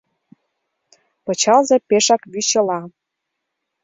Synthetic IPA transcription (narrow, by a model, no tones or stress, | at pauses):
pɤ̆t͡ɕɑlzepeʃɑkβyt͡ɕɤ̆lɑ